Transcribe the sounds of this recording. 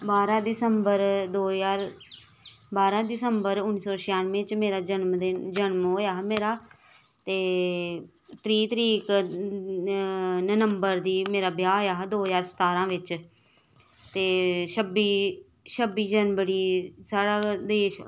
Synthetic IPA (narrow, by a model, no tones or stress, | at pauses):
baːɾãːd̪ɪsəmbəɾd̪oːjaːɾ | baːɾãːd̪ɪsəmbəɾʊnːiːsɔːʃɪjaːnmẽːt͡ʃmeːɾaːd͡ʒənmd̪ed͡ʒənmɦoːjaːɦmeːɾaː | t̪eː | t̪ɾiːt̪əɾiːk | nənəmbəɾd̪iːmeːɾaːbjaːɦoːjaːɦd̪oːzaːɾsə̥t̪aːɾãːʋɪt͡ʃ | t̪eːʃəbiː | ʃəbiːd͡ʒənbəɽiːsaːɽaːd̪eːʃ